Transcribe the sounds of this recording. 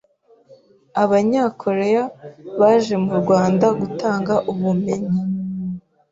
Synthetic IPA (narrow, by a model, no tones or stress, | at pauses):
aβaɲakʰo̞ɾe̞jaβaːʒe̞muɾɡwaːndaɡutaːŋɡaʔuβume̞ɲi